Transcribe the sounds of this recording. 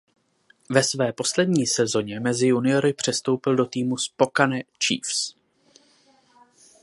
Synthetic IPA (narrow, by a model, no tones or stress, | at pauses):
vɛsvɛːpo̞slɛdɲiːsɛzo̞ɲɛmɛzɪjunɪjo̞ɾɪpr̝̥ɛst̪o̞wpɪldo̞t̪iːmuspo̞kanɛt͡ʃḭːfs